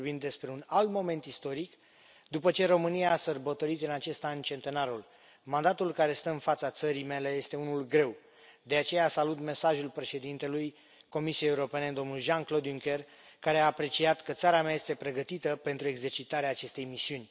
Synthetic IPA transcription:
bimd̪e̞spɾe̞unalt̪mo̞mẽ̞nt̪ist̪o̞ɾik | d̪upət͡ʃe̞ɾo̞mɨnijaːsərbət̪o̞ɾit̪ɨnat͡ʃe̞st̪anʲt͡ʃe̞nt̪e̞naɾul | mand̪at̪ulkaɾe̞st̪əɨnfat̪sat̪səɾime̞le̞je̞st̪e̞unulɡɾe̞w | d̪e̞at͡ʃe̞jaːsalut̪me̞saʒulpɾe̞ʃe̞d̪int̪e̞luj | ko̞misijejeuɾo̞pe̞ne̞d̪o̞mnulʒanklo̞d̪juŋkʲe̞r | kaɾe̞aːpɾe̞t͡ʃiat̪kət̪saɾameaje̞st̪e̞pɾe̞ɡət̪it̪əpe̞nt̪ɾue̞ɡze̞rt͡ʃit̪aɾeaːt͡ʃe̞st̪e̞jmisiunʲ

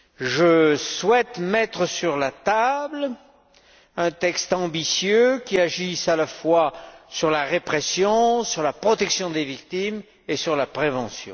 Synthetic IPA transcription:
ʒəswɛt̪mɛt̪χəsyʁlat̪abl | ɛ̃t̪ɛkst̪ɑ̃bisjøkʲiaʒisalafwasyʁlaʁepχesjɔ̃syʁlapχɔt̪ɛksjɔ̃d̪evik̚t̪im | esyʁlapχevɑ̃sjɔ̰̃

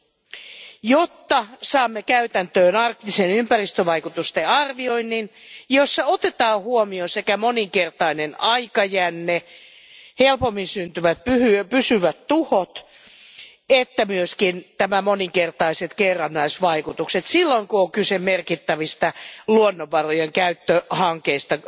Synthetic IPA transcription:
jot̪ːɑsɑːmːekæyt̪ænt̪øːnɑrk̚t̪isenympærist̪øʋɑikut̪ust̪eɑrʋioinːinjosːɑot̪et̪ɑːhuomiosekæmoniŋkert̪ɑinenɑikɑjænːe | helpomːinsynt̪yʋæt̪̚pyhypysyʋæt̪t̪uhot̪ | et̪ːæmyøskint̪æmæmoniŋkert̪ɑiset̪kerːɑnːɑisʋɑikut̪ukset̪silːoiŋkuoŋkysemerkit̪ːæʋist̪ɑluonːoʋːɑrojeŋkæyt̪ːøhɑŋkeist̪ɑ

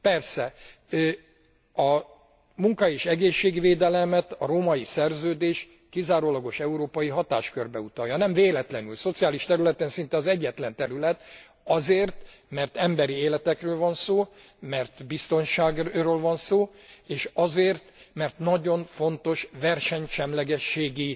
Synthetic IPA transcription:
pɛrsɛ | ɒ | muŋkɒeːʃɛɡeːʃːeːɡʋeːd̪ɛlɛmɛt̪ɒɾoːmɒjisɛrzøːd̪eːʃ | kizaːɾoːlɒɡo̞ʃɛuɾoːpɒjiɦɒt̪a̰ːʃkørbɛut̪ɒjɒnɛɱveːlɛt̪lɛnylso̞t̪sijaːliʃt̪ɛɾylɛt̪ɛnsint̪ɛɒzɛɟːɛt̪lɛnt̪ɛɾylɛt̪ | ɒzeːrt̪ | mɛrt̪ɛmbɛɾieːlɛt̪ɛkrøːlvɒnsoː | mɛrt̪bist̪o̞nʃaːɡroːlvɒnsoː | eːʃɒzeːrt̪mɛrt̪nɒɟo̞ɱfo̞nt̪o̞ʃvɛrʃɛɲʃɛmlɛɡɛʃːeːɡi

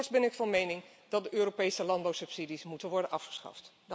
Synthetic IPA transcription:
ɹsbɛnɪkfɑnmejnɪŋ | dɑt̚dəʔøːropejsəlɑnbɑwsɵpsidismutənʋɔɹdənʔɑfχə̥sχɑ̰ft

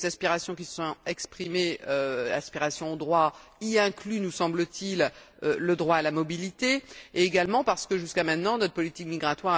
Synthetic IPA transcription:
zaspiʁasjɔ̃kʲisə̥sɔ̃ɛkspχimeøa̰spiʁasjɔ̃od̪ʁwa | iɛ̃klynusɑ̃blət̪il | øləd̪ʁwaːlamɔbilit̪eeːɡalmɑ̃paʁsə̥kəʒyskamɛ̃t̪nɑ̃nɔt̪χpɔlit̪ikmiɡʁat̪waʁ

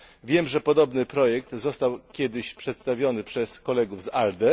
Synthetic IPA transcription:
vʲjɛmʐɛpɔd̪ɔbnɘpɾɔjɛk̚t̪zɔst̪awkʲjɛd̪ɘɕpʂɛt̪st̪avʲjɔnɘpʂɛskɔlɛɡuvzald̪ɛ

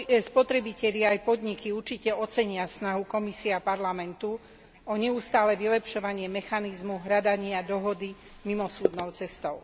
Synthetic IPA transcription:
spɔt̪ɾɛbicɛʎɪaajpɔd̪ɲikiuɾt͡ʃicɛɔt͡sɛɲɪasnaɦukɔmisiɛapaɾlamɛnt̪u | ɔɲɛust̪aːlɛʋilɛpʃɔʋaɲɪɛmɛxanizmuɦɾad̪aɲɪad̪ɔɦɔd̪i | mimɔsuːd̪nɔʊt͡sɛst̪ɔʊ

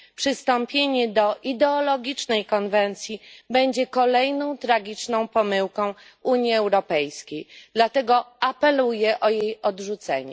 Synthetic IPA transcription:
pʂɘst̪ɔmpʲjeɲɛd̪ɔʔid̪ɛɔlɔɡʲit͡ʂnɛjkɔnvɛnt̪sʲjibɛɲd͡ʑɛkɔlɛjnɔ̃w̃t̪ɾaɡʲit͡ʂnɔ̃w̃pɔmɘwkɔ̃w̃ | uɲjiɛwɾɔpɛjskʲejd̪̥lat̪ɛɡɔapɛlujɛʔɔjejɔdʐut̪sɛ̰ɲɛ̰

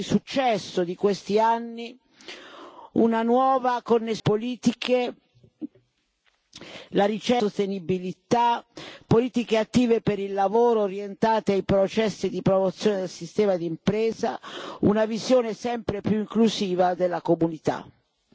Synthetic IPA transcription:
isut͡ʃːɛsːod̪ikwest̪ianːi | ṵnanwɔːvakonːepoliːt̪ike | laɾit͡ʃɛost̪enibilit̪apːoliːt̪ikeat̪ːiːvepeɾilːavoːɾoɾjent̪aːt̪eajpɾot͡ʃɛsːid̪ipɾomot̪sːjoːned̪elsist̪ɛːmad̪iimpɾɛːza̰ṵnavizjoːnesɛmpɾepjuiŋkluziːvad̪elːakomunit̪a̰

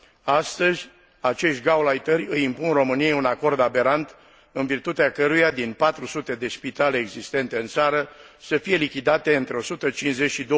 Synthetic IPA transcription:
ast̪əzʲ | at͡ʃe̞ʃt̪̚ʲɡawlajt̪ərʲɨjimpunro̞mɨnijejunako̞rd̪abe̞ɾant̪ | ɨnvirt̪ut̪eakəɾujad̪inpat̪ɾusut̪e̞d̪e̞spit̪aleːɡzist̪e̞nt̪e̞ɨnt̪saɾəsəfije̞likʲid̪at̪e̞ɨnt̪ɾe̞o̞sut̪ət͡ʃinzet͡ʃʃid̪o

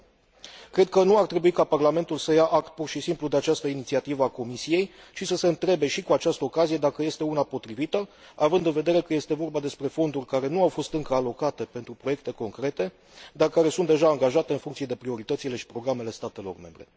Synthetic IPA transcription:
kɾe̞d̪̚kənuart̪ɾe̞buikaparlame̞nt̪ulsəjaʔakt̪̚purʃisimplud̪e̞at͡ʃast̪əinit̪siat̪ivəako̞misije̞j | t͡ʃisəse̞ɨnt̪ɾe̞be̞ʃikuat͡ʃast̪əo̞kazije̞d̪akəje̞st̪e̞unapo̞t̪ɾivit̪ə | avɨnd̪ɨnve̞d̪e̞ɾe̞kəje̞st̪e̞vo̞rbad̪e̞spɾe̞fo̞nd̪urʲkaɾe̞nuawfo̞st̪ɨŋkəalo̞kat̪e̞pe̞nt̪ɾupɾo̞jek̚t̪e̞ko̞ŋkɾe̞t̪e̞ | d̪arkaɾe̞sunt̪d̪e̞ʒaːŋɡaʒat̪eɨnfuŋkt̪sije̞d̪e̞pɾio̞ɾit̪ət̪sile̞ʃi̥pɾo̞ɡɾame̞le̞st̪at̪e̞lo̞̰rme̞mbɾe̞̰

